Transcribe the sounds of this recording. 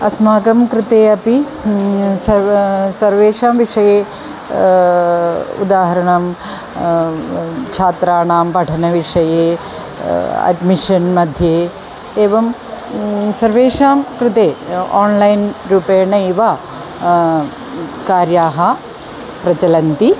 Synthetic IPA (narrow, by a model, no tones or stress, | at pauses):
ɐsmaːɡɐmkɾɪt̪eːɐpi | sɐsɐɾʋeːʂaːmʋiʂɐjeː | ṵd̪aːɦɐɾɐɳɐm | t͡ʃʰaːt̪ɾaːɳaːmpɐʈʰɐnɐʋiʂɐjeː | ɐ̰ɖmiʂɐnmɐd̪ʱjeː | eːʋɐm | sɐɾʋeːʂaːmkɾɪt̪eːaːnlɐjnɾuːpeːɳɐiʋa | kaːɾjaːɦɐ | pɾɐt͡ʃɐlɐnt̪i